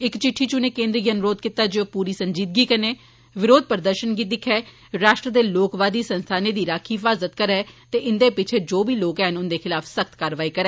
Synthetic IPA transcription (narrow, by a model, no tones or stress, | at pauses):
ɪkt͡ʃɪʈʰːiːt͡ʃʊnẽːkeːnd̪ɾiɡənʊɾoːd̪kɪt̪aːd͡ʒeopuːɾiːsəɲd͡ʒiːd̪ɡiːkəneː | ʋɪɾoːd̪̚pəɾd̪əɾʃənɡiːd̪ɪkʰɛː | ɾaːʃʈɾəd̪eːloːkʋaːd̪iːsənst̪ʰaːneːd̪iːɾaːkʰiːfaːzət̪kəɾɛːt̪eːʔɪnd̪eːpɪt͡ʃʰeːd͡ʒoːbiːloːkɛːɦənʊnd̪eːkʰɪlaːfʰsəkʰt̪kaːɾʋaːiːkəɾɛː